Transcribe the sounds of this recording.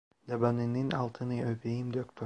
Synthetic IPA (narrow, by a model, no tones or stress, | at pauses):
d̪abanininɑlˠt̪ʰɯnɯøpejimd̪øk̚t̪ʰ